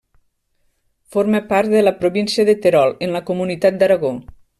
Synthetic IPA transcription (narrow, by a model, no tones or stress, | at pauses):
foɾmepaɾt̪̚d̪ələpɾoβinsiəðet̪eɾɔlˠenləkomunit̪at̪̚d̪aɾaɣo